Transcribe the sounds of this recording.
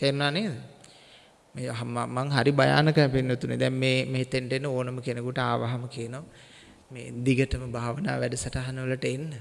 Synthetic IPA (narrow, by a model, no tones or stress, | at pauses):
t̪enːaːneːd̪ə | meɦmamaŋɦaɾibaja̰ːnəkəmpinːot̪unḛd̪ɛmmeːmeɦit̪enʈenːəoːnəməkenəkuʈəaːʋaɦaməkijəno | mḛːd̪iɡəʈəməbʱaːʋəna̰ːʋæɖəsaʈaɦanəʋələʈəenːə